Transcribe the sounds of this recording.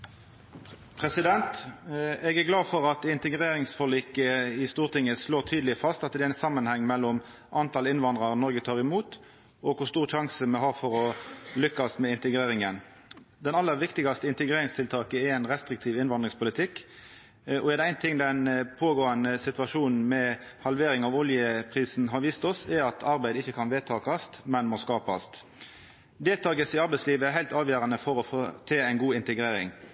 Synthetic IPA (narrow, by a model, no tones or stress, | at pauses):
pʰʁɛsɪd̪ɛnt̪ | ɛɡæʁɡlɑːfɔʁɑt̪ɪnt̪əɡɾeːɾɪŋsfɔʁliːkəɪst̪uːʁt̪ʰɪŋːəsloːʁt̪ʰyːd̪lɪfɑst̪ɑt̪d̪ɛæɪnsɑmːənhɛŋːmɛlːɔm | ʔɑnt̪ʰɑlɪnʋɑnd̪ʁɑʁnɔʁɡət̪ʰɑːʁɪmuːt̪ | ɔkʰʊst̪uːʁʃɑŋsəmɛɦɑʁfɔɾɔlʏkːɑsmɛɪnt̪əɡɾeːɾɪŋən | d̪ɛnɑlːəɾʋɪkt̪ɪɡɑst̪əɪnt̪əɡɾeːɾɪŋst̪ʰɪlt̪ʰɑːkəɛɾæɪnɾɛst̪ɾɪk̚t̪ʰiːʋɪnʋɑnd̪ɾɪŋspʰʊlɪt̪ʰɪkː | ɔɛd̪ɛæɪnt̪ʰɪŋd̪ɛnpʰoːɡoːɑnəsɪt̪ʋɑʂuːnn̩mɛ | hɑlʋeːɾɪŋɑʋʊljəpʰɾiːsn̩ɦɑɾʋiːst̪ɔsɛɾɑt̪ʰɑɾbæɪd̪ɪçːəkʰɑnʋeːt̪ʰɑːkɑst̪mɛnmoskɑːpɑst̪ | d̪eːlt̪ɑːɡəsɪɑɾbæɪsliːʋəæɾɦæɪt̪ɑːʋjøːɾɑnəfɔɾɔfot̪ʰeːæɪnɡuːɪnt̪əɡɾeːɾɪ̰ŋ